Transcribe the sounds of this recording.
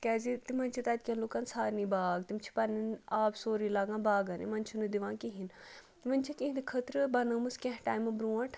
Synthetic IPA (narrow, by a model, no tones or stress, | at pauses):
kɛːzit̪imɐnt͡ʃʰit̪aːt̪̚ʲkʲɐnloːkɐnsaːɾnibaːɡt̪imt͡ʃʰi̥pɐninaːbsoːɾilaːɡãːbaːɡɐnḭmɐnt͡ʃʰunɨd̪iʋãːkiɦin | ʋɐnʲt͡ʃʰikĩɦind̪kʰət̪ɾɨbɐnɐːmɨskʲẽɦʈaːjmɨbɾuːɐʈʰ